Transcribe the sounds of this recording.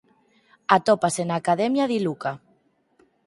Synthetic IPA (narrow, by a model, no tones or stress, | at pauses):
at̪ɔpasenaːkaðɛmjaðiluka